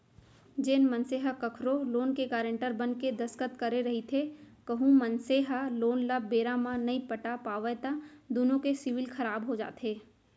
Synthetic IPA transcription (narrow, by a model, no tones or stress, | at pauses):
d͡ʒeːnmənseɦəkɐkʰɾoloːnkekaːɾə̃ɳʈəɾbənked̪ɐskət̪kɐɾeɾɐɦit̪ʰe | kəɦũmɐnseɦəloːnlabeːɾamãnɐɦĩpəʈapaːʋət̪ad̪oːnõkesɪʋɪlkʰɐɾaːbɦod͡ʒa̰ːt̪eː